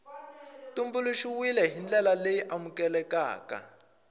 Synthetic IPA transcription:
tumbuluʃiwilɛɦind͡ɮɛlalejiʔamukɛlɛka̰ːka̰

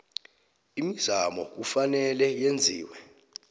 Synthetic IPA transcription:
imiz̥amɔk̬ufanɛlɛjend͡zʱiːwɛ

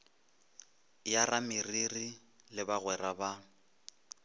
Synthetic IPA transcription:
jaramɪriri | lɪbaɣwɛraba

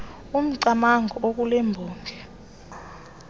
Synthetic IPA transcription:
um̩ǀamaŋʱɔok̬ulɛmbʱɔːŋɡʱɛ

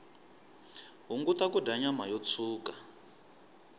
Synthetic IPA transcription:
ɦuŋɡut̪akudaɲam̤ajɔt͡sʰuːka

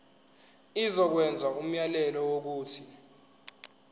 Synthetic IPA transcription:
izɔk̬wɛnd͡zʱaum̩jalɛlɔwok̬uːtʰi

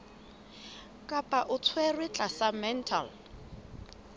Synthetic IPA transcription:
kʼapʼaʔʊt͡sʰwɛrwɪt͡ɬʼasamɛntʰa̰l

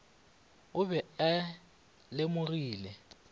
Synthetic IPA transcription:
ʊbɛɛ | lɪmʊriːlɛ

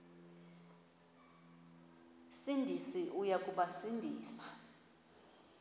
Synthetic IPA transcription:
sindʱisiʔujakʼuɓasindʱḭːsḁ

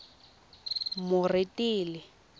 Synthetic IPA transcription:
mʊritʼiːlɪ

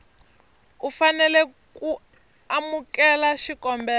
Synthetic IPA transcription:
ufanɛlɛ | ku | amukɛlaʃikɔmbɛː

